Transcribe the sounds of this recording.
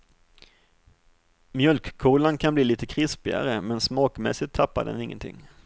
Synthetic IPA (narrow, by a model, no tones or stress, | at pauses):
mjœlkkʰuːlankʰanbliːliːt̪əkʰɾɪspɪa̰ɾəmɛnsmɑːkmɛ̰sɪt̪ʰːapːad̪ɛ̰nɪŋːə̰nt̪ʰɪ̰ŋː